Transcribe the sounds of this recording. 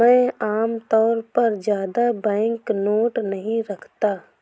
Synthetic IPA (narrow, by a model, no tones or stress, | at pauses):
ɛ̃ːaːmt̪ɔːɾpɐɾd͡ʒjaːd̪abɛ̃ːŋknoːʈnɐɦĩɾɐkʰt̪aː